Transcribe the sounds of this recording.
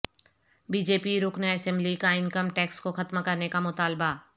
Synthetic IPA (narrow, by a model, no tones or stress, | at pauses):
biːd͡ʒeːpiɾʊknaɐsɛ̃mblikaɪ̃nkəmʈɛːkskoxɐt̪makɐɾnekamʊt̪aːlba